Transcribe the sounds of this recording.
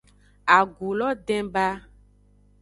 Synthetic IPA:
a˨ɡu˨lɔ˦ɖɛ̃˦ba˦

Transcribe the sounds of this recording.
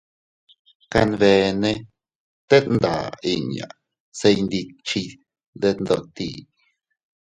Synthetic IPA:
ka˧nbe˧ne˦ | t̪e˦t̪nd̪a˨i˧ɲa̰˨ | se˧jnd̪i˧k̚t͡ʃi˧ | d̪e˦t̪nd̪o˧t̪i˦˨

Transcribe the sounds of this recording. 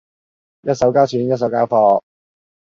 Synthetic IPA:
jɐ˥t̚sɐ˨˥wkaː˥t͡ʃʰyː˨˥njɐ˥t̚sɐ˨˧˥wkaː˥wfɔː˧

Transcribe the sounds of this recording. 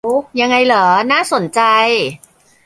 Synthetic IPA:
ja˧ŋːa˧jləː˩˦naː˥˩so˨˩˦nt͡ɕa˧j

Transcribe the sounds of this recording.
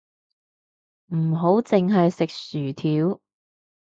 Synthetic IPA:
m̩˨˩ɦo˨˥wt͡sɪ˨ŋɦɐ˨jsɪ˨k̚syː˨˩t̪ʰiː˨˥w

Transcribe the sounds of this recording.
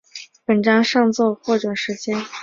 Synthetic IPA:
pə˨˩nʈ͡ʂɑ˥ŋʂɑ˥˧ŋt͡swɔ˥˧xwɔ˥˩ʈ͡ʂə˨˩ʂɻ̩˧˥t͡ɕjɛ˥n

